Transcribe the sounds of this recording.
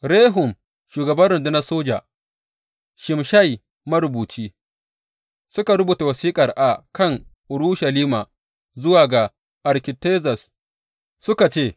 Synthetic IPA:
ɾeː˦ɦʊ˨m | ʃuː˨ɡɐ˨bɐ˦nɾɪ˨ndʊ˦nɐ˦soː˦d͡ʒa̰˨ | ʃɪ˨mʃa˦˨j | mɐ˦ɾʊ˨buː˨t͡ʃiː˦ | sʊ˦ka˨ɾʊ˦buː˨ta˨wɐ˨siː˦kʼɐ˨rʔa˨kɐ˦˨ŋʔʊ˨ɾu˦ʃɐ˨liː˦ma˨ | zʊ˦waː˨ɡa˨ | ʔɐ˨ɾkʲɪ˨teː˦zɐ˨s | sʊ˦ka˨t͡ʃeː˦˨

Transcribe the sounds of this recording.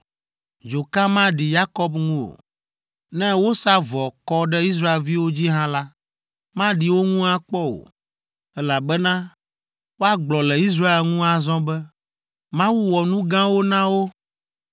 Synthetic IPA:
d͡ʒo˨kã˦mã˦ɖi˨ja˦kɔ˦bŋũ˦o̰˨ | nɛ̃˦wo˦sa˦vɔ˨kɔ˦ɖɛ˦i˦s̬ɾa˦e˨lvi˦wo˦d͡ʑi˦ɦã˦la˦ | mã˦ɖi˨wo˦ŋũ˦a˦k͡pɔ˦o̰˨ | ɛ˦la˨bɛ˦nã˦ | wo˦a˦ɡ͡blɔ˨lɛ˨i˦s̬ɾa˦e˦lŋũ˦a˨zɔ̃˦bɛ˦ | mã˦wu˦wɔ˨nũ˦ɡã˦wo˦nã˦wo˦

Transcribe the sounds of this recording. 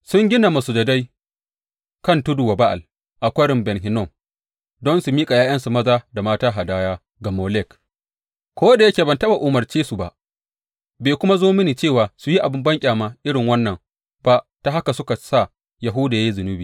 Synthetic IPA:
sʊ˦ŋɡʲɪ˦na˨ma˨su˨dɐ˨da˦j | kɐ˦ntu˦du˨wa˨ba˦ʔa̰˨l | ʔa˨kʷɐ˦ɽɪ˨mbɛ˨nɦɪ˨˦nɔ˦˨m | dɔ˦nsu˨miː˦kʼa˨jaː˦j̰ɐ˦nsu˨mɐ˦zaː˦da˨maː˦taː˦ɦa˨daː˦jaː˦ | ɡɐ˨moː˨lɛ˦˨k | kʷoː˦da˨jɐ˦kʲeː˨bɐ˨ntɐ˦ba˨ʔu˨mɐ˨rt͡ʃeː˦su˨ba̰˨ʔ | beː˨kʷʊ˦ma˦zoː˦mɪ˦niː˨t͡ʃeː˦˨waː˨su˨ji˦ʔa˨bɪ˦mbɐ˦ŋkʲʼaː˨ma˦ʔɪ˦ɽɪ˨ŋwɐ˦nːɐ˨ŋ | b̥a˨ʔ | ta˨ɦa˦ka˨sʊ˦ka˨sa˦˨ | ja˨ɦʊ˦da˨ja˦ji˦zʊ˨nʊ˦biː˨

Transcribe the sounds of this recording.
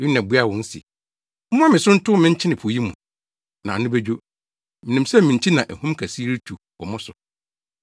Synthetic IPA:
i˦nã˨bu˦a˦˨wɔ̃˨n̩˦sḭ˨˦ | ʊ̃˦ã˦mɪ̃˨sʊ̃˦n̩˦tʰʊ˦mɪ̃˦ɲ̩˦t͡ɕʰɪ˦nɪ̃˨pʰu˨ji˦mṵ̃˨ | nã˨nʊ̃˦be˦d͡ʑᶣo˦ | mɪ̃˨nĩ˨msɛ˦mɪ̃˨ɲ̩˨t͡ɕʰi˦nã˨ʔæ˨hũ˦m˦kʰæ˨si˦ɾi˦tʰu˨ | wɔ̰˨mʊ̃˦sʊ˨

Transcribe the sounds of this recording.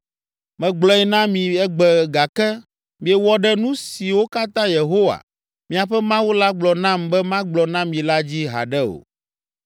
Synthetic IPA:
mɛ̃˨ɡ͡blɔ˦ɛ˦nã˦mĩ˨ɛ˦ɡ͡bɛ˨ɡa˨kɛ˦ | mĩ˦ɛ˨wɔ˦ɖɛ˦nũ˦si˨wo˦ka˦t̪ã˦je˨ɦo˦wa̰˨ | mĩ˨a˨ɸɛ˦mã˦wu˦la˦ɡ͡blɔ˨nã˦mbɛ˦mã˦ɡ͡blɔ˨nã˦mĩ˨la˦d͡ʑi˦ɦa̰˨ɖɛ˦o̰˨

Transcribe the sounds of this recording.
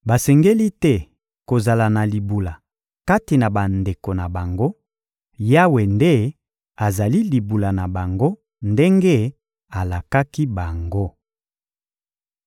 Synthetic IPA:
ba˨sɛ˨ŋɡe˦li˦tɛ˦ | ko˨za˨la˨na˨li˨bu˨la˨ | ka˦ti˨na˨ba˨nde˨ko˨na˨ba˨ŋɡo˦ | ja˦we˨nde˦ | a˨za˨li˦li˨bu˨la˨na˨ba˨ŋɡo˦ | nde˦ŋɡe˦ | a˨la˨ka˦ki˦ba˨ŋɡo˦

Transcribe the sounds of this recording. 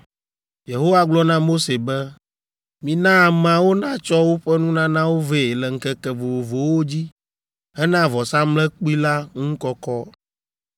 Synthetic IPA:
je˨ɦo˦wa˦ɡ͡blɔ˦nã˦mo˦se˨bɛ˦ | mĩ˨nã˦˨mã˦wo˦nã˦t͡ʃɔ˦wo˦ɸɛ˦nũ˦nã˦nã˦wo˦ve˦˨e˨lɛ˨ŋ̩˨kɛ˦kɛ˨vo˨wo˨vo˨wo˦d͡ʑi˦ | ɛ˦nã˦vɔ˨sã˦mlɛ˦k͡pu˦i˦la˦ŋũ˦kɔ˦kɔ˦

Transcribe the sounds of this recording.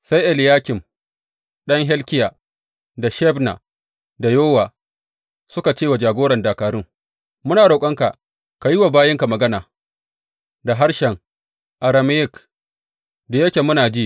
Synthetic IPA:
sa˦jʔɛ˨ljaː˦kʲɪ˨m | ɗɐ˦ŋɦɛ˦lkʲɪ˦jaː˨ | da˨ʃɛ˦bna̰˨ | da˨joː˦waː˨ | sʊ˦ka˨t͡ʃeː˦wa˨d͡ʒaː˨ɡʷoː˦ɾɐ˨ndaː˨kaː˨ɾʊ˦ŋ | mʊ˦naː˨ɽa˨kʷʼɐ˦ŋka˨ | ka˨ji˦wa˨baː˦jɪ˦ŋka˨mɐ˨ɡɐ˦naː˨ | da˨ɦa˦ɾʃɛ˨ŋ | ʔa˨ɾa˨m˦jɪ˦k | da˨jɐ˦kʲe˨mʊ˦naː˨d͡ʒiː˦

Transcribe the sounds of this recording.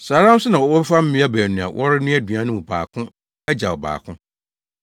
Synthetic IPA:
saː˨ɾã˦m̩˦sʊ˦nã˨wɔ˨˦wɔ˦fa˦m̩˦mɪ̃˦a˦bæː˨nũ˨a̰˨wʔɔ˦ɾɪ˦nʊ̃˦æ˦dɥã˦nʊ̃˦m˨ba̰ː˨kʰʊ̃˦ | æ˦d͡ʑa˨ɔ˨ba̰ː˨kʰʊ̃˦

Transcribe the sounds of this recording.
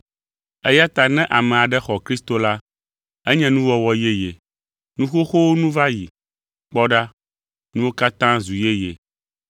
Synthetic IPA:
ɛ˦ja˦t̪a˨nɛ̃˦ʔa˨mɛ̃˨a˨ɖɛ˦xɔ˨kɾi˦st̪o˦la˦ | ɛ˦ɲɛ̃˦nũ˦wɔ˦wɔ˦je˦je˨ | nũ˦xo˦xo˦wo˦nũ˦va˦ji˨ | k͡pɔ˦ɖa˦ | nũ˦wo˦ka˦t̪ã˦zu˨je˦je˨

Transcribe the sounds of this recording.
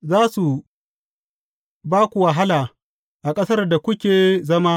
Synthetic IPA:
zaː˦su˨ | baː˦kʷu˨wɐ˨ɦa˦laː˨ | ʔa˨kʼɐ˦sɐ˦rda˨kʷʊ˦kʲeː˨zɐ˦ma˦

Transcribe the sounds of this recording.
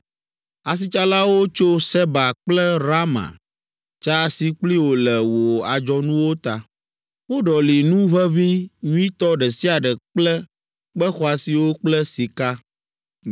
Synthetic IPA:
a˨s̬i˦t͡ʃa˦la˦wo˦t͡ʃo˦sɛ˦ba˨k͡plɛ˦ɾa˦mã̰˨ | t͡ʃa˦si˦k͡pli˦wo˨lɛ˨wo˨a˨d͡ʒɔ˦nũ˦wo˦t̪a˨ | wo˦ɖɔ˨li˨nũ˦βɛ˦vi˦ɲũ˦i˦t̪ɔ˦ɖɛ˨si˦a˨ɖɛ˨k͡plɛ˦ | k͡pɛ˦xɔ˦a˨si˨wo˦k͡plɛ˦si˨ka˦

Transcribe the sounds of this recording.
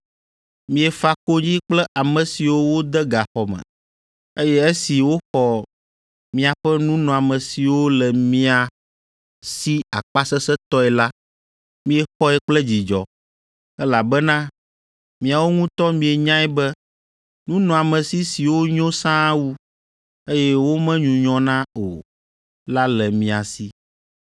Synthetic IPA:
mĩ˨ɛ˨fa˦ko˦ɲĩ˦k͡plɛ˦ʔa˨mɛ̃˨si˨wo˦wo˦d̪ɛ˦ɡa˨xɔ˨mɛ̰̃˨ | e˦jɛ˦e˦si˨wo˦xɔ˨ | mĩ˨a˨ɸɛ˦nũ˦nɔ̃˨a˨mɛ̃˨si˨wo˦lɛ˨mĩ˦a˨ | si˦a˨k͡pa˦sɛ˦sɛ˦t̪ɔ˦ɛ˨la˦ | mĩ˦ɛ˨xɔ˦ɛ˨k͡plɛ˦d͡ʑi˨d͡ʒɔ̰˨ | ɛ˦la˨bɛ˦nã˦ | mĩ˨a˨wo˦ŋũ˦t̪ɔ˦mĩ˦ɛ˨ɲã˦ɛ˦bɛ˦ | nũ˦nɔ̃˨a˨mɛ̃˨si˦si˨wo˦ɲõ˦sã˦wu˦ | e˦jɛ˦wo˦mɛ̃˦ɲũ˨ɲɔ̃˦nã˦o̰˨ | la˦lɛ˨mĩ˨a˨si˦

